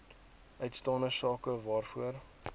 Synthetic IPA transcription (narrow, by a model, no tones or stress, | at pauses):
œɥtstɑːndəsɑːkəvɑːrfuər